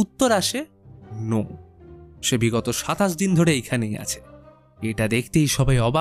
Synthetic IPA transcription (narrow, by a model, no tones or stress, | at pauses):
ut̪ːoɾaʃe | no | ʃebiɡɔt̪oʃat̪aʃ̬d̪ind̪ʱoɾeejkʰaneja̰t͡ɕʰe̥ | eʈad̪ekʰt̪ejʃɔbʱajɔba